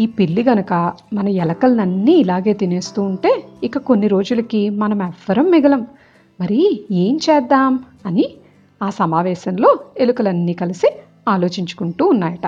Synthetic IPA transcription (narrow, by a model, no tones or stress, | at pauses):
iːpilːiɡɐnɐkɐmɐnɐɛlɐkɐlɐnɐnːiːilaːɡe̞ːt̪ine̞ːst̪uːɳʈe̞ːikɐko̞nːiɾo̞ːd͡ʒulɐkimɐnɐmɛʋːɐɾɐmːiɡɐlɐmː | ɐɾie̞ːɲt͡ʃɛːd̪ːaːm | ɐni | aːsɐmaːʋɛːʃɐnlo̞ːe̞lukɐlɐnːiːkɐlisi | aːlo̞ːt͡ʃiɲt͡ʃu̥kuɳʈuːunːaːjɐʈɐ